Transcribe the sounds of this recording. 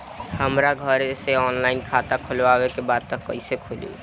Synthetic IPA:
həmɾaɡʱəɾeseɔnlainkʰat̪akʰolʋabekebad̪̚t̪əkːə̰ɪsekʰolṵ

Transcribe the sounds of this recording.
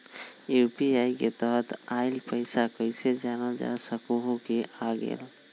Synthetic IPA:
jupiaːiket̪əɦət̪aɪlpəɪsakəɪsed͡ʒaːnad͡ʒa̰səkuɦokeʔaːɡḛl

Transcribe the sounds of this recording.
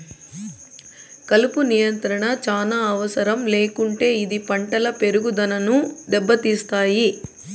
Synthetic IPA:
kɐlupunijɐnt̪ɾɐɳɐt͡ʃaːnaːɐʋɐsɐɾɐmle̞ːkuɳʈe̞ːid̪ipɐɳʈɐlɐpe̞ɾuɡud̪ɐnɐnud̪ɛbːɐt̪iːst̪aːji

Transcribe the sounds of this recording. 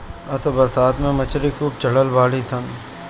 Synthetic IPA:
ɐsəbɐɾsaːt̪ʰmẽmɐt͡ʃʰɾikuːp̚t͡ʃəɽəlbaːlit̪ʰən

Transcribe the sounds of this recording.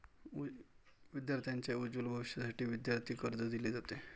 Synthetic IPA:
ʋid̪jaɾt̪ʰjaɲt͡ɕjaud͡ʑulbʱəʋɕjasaʈiːʋid̪jaɾt̪ʰiːkəɾd͡zəd̪ileːd͡zat̪e

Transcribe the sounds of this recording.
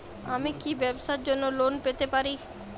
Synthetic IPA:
amikibɛbsaɾd͡ʑonːolonpet̪epaɾi

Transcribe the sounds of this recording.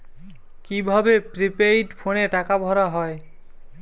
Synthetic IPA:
kibʱabepɾipeɾiʈpʰoneʈakabʱɔɾaɦɔe

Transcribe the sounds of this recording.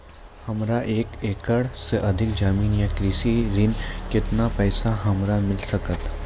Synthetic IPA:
hɐmɾaʔeːkeːkəɽseʔɐd̪ʱɪkd͡ʒaːmiːnjakɾiːsiɾɪnkɪt̪napɛːsaɦɐmɾamɪlsɐkət̪

